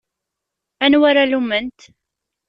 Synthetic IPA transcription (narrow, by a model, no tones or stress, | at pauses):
ænwaɾalumːənt̪